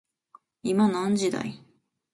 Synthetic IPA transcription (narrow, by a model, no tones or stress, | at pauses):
imanãɲ̟d͡ʑid̪a̰i